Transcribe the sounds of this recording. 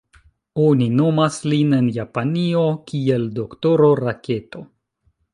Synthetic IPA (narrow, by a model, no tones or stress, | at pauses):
o̞nino̞masline̞njapanio̞kie̞ldo̞kto̞ɾo̞ɾake̞to̞